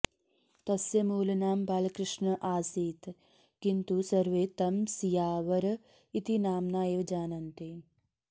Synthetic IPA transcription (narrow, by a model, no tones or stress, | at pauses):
t̪ɐsjɐmuːlɐnaːmbaːlɐkɾɪʂɳɐʔaːsiːt̪ | kint̪usɐɾʋeːt̪ɐmsijaːʋɐɾɐ | it̪inaːmnaːjeːʋd͡ʒaːnɐnt̪i